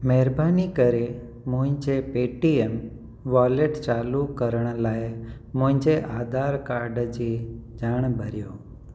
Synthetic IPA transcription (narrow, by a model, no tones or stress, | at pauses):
mɛɾbanikəɾe | mʊ̃ĩɲt͡ʃepeʈiem | ʋaleʈt͡ʃaːlukəɾəɳ̃laj | mʊ̃ɪ̃ɲt͡ʃeʔaːd̪aːɾkaɾɖd͡ʒid͡ʒaːɳ̃bʱəɾjoː